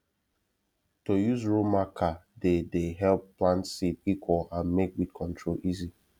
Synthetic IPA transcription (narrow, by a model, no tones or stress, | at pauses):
tojuzɹomakʰadedeɦɛlpːlãntsitikwɔlãnmek̚bikʰɔ̃ntʰɹolʔizi